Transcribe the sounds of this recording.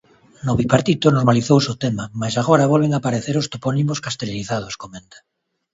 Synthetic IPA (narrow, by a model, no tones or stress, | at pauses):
noβipaɾt̪it̪onoɾmaliθowsot̪emamasaɣ̞oɾaβolβ̞eŋapaɾeθeɾost̪oponimoskast̪eliniθað̞oskomẽnt̪ḁ